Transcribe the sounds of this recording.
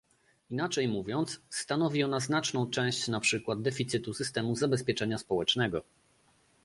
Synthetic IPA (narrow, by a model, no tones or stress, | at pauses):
inat͡ʂɛjmuvʲjɔnt̪ssːt̪anɔvʲiɔnaznat͡ʂnɔ̃w̃t͡ʂɛ̃w̃ɕt͡ɕnapʂɘkwad̪̚d̪ɛfʲit̪sɘt̪usɘst̪ɛmuzabɛspʲjɛt͡ʂɛɲaspɔwɛt͡ʂnɛɡɔ